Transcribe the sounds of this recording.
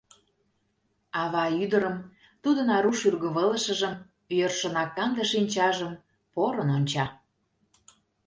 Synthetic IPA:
ɑβɑyd̪əɾəm | t̪ud̪ənɑɾuʃyrɣəβələʃə̆ʒəm | jørʃənɑkːɑnd̪əʃinʲt͡ɕɑʒəm | poɾənonʲt͡ɕɑ

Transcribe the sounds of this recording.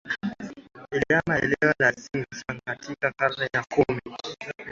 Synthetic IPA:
ɛlɛamaɛ̰lɛwalasiŋɡsaŋkatikakaɾnɛjakumi

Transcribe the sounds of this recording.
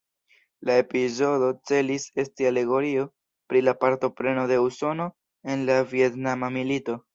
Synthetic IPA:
lae̞pizo̞do̞t͡se̞lise̞stiale̞ɡo̞ɾio̞ | pɾilapaɾto̞pɾe̞no̞de̞uso̞no̞ | e̞nlavie̞tnamamilito̞

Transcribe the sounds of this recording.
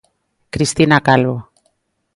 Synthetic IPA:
kɾist̪inakalβo

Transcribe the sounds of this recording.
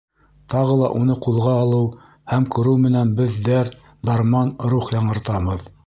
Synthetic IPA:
t̪ɑʁɤlˠɑ̰ʔunɤqulˠʁɑːlˠɤw | hæmkɵ̆ɾɘwmɘ̆nænbɘðːæɾ | d̪ɑɾmɑnɾuχjɑɴɤ̆ɾt̪ɑβɤð

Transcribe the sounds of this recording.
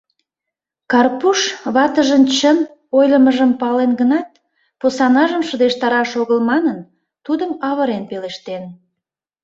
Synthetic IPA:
kɑrpuʃβɑt̪əʒənt͡ɕən | ojləməʒəmpɑlenɡənɑt̪̚ | posɑnɑʒəmʃəd̪eʃt̪ɑɾɑʃoɣəlmɑnən | t̪ud̪əmɑβəɾenpeleʃt̪en

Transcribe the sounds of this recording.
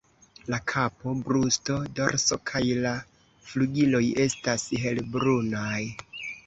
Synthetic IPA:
lakʰapo̞bɾusto̞do̞̰ɾso̞̰kʰajla | fluɡilo̞je̞stasɦe̞lbɾunaj

